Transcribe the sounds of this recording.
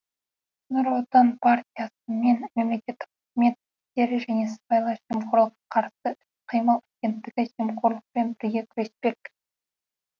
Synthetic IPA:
nʊɾwot̪ɑnpʰart̪ʲijasəme̞nme̞mle̞kʲe̞t̪ːɪqχɪzme̞t̪̚ɪst̪e̞ɾɪʒæne̞sə̥pɑjlˠɑʒemqʰʊɾlˠəqɑqʰɑɾsəʏ | qʰijməlˠaɡʲe̞nt̪ːɪɡʲɪʒemqoɾlˠəq̚pe̞nbɪɾɡʲe̞kʲʰɾespe̞k

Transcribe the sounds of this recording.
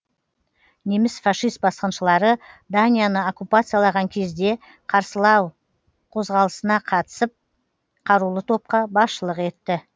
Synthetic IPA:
ne̞mɪsfaʃijst̪̚bɑsqənʃəlˠɑɾəd̪anʲijanəokupat̪sɨjalˠɑʁɑŋkʲʰe̞zd̪e̞ | qʰɑɾsəlˠɑw | qʰo̞zʁɑlˠəsənɑqʰɑt̪ə̥səp̚ | qʰɑɾulˠət̪ʰo̞p̚qɑbɑsʃəlˠəqe̞t̪ːɪ

